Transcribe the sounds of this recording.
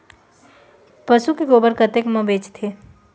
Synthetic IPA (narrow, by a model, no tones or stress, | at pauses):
pəsukekoːbəɾkət̪ekmə̃beːt͡ʃt̪ʰeː